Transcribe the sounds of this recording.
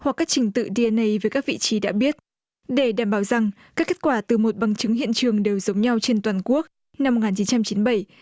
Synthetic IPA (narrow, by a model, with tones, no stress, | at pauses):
hwa˨˩kːaː˦˥k̚t͡ɕï˨˩˦ŋ̟t̪ɨ̰˧˨ɗi˧ʔɛ˧nə˧jvəː˨˦jkaː˦˥k̚vḭ˧˨t͡ɕi˨˦ɗa̰ː˧˥ɓi˦˥ət̚ | ɗe˧˩ɗaː˨˩mɓaː˨˩˦wza˨˩ŋkaː˦˥kːe˦˥t̚kwaː˧˩t̪ɨ˨˩mo˨˩t̚ɓa˨˩˦ŋt͡ɕɨ˨˦ŋɦḭ˧˨ənt͡ɕɨ˨˩əŋɗe˨˩wzə˨˦wŋ͡mɲa˧wt͡ɕe˧nt̪waː˨˩nku˦˥ək̚ | na˧m̚ː˨˩ŋaː˨˩nt͡ɕi˨˦nt͡ɕa˧mt͡ɕi˨˦nɓə˧˩j